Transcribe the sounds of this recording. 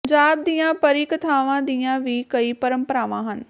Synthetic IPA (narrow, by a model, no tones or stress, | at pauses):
ɲd͡ʒaːb̚d̪iːãːpəɾiːkt̪ʰaːʋãːd̪iːãːʋiːkəiːpəɾə̃mpəɾaːʋãːɦən